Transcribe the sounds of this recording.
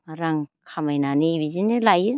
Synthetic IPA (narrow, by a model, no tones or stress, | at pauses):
ɾaŋkʰamajnanɯibizinɯlajɯ